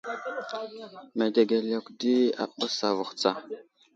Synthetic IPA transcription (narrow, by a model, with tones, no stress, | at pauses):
me˨de˨ɡe˨la˨kdi˦a̰˨ɓu˦sa˨vu˨xt͡sa˦